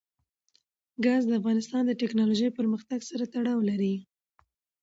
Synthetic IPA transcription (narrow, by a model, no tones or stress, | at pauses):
ɡɑzd̪əafɣɑnɪst̪ɑnd̪əʈɛknɑloʒəjpəɾməxt̪aɡsaɾat̪aɽɑwlaɾi